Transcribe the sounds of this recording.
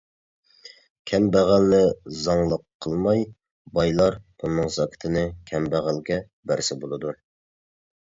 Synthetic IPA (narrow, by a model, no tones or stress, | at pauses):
kʲʰɛmbæʁælnɪzɑŋlˠəqʰːəlˠmɑj | bɑjlˠɑɾ | unɨŋzɑkʲʰɪ̥t̪ʰɨnɨkʲʰɛmbæʁælɡʲɛ | bæɾsɪbolˠɨd̪u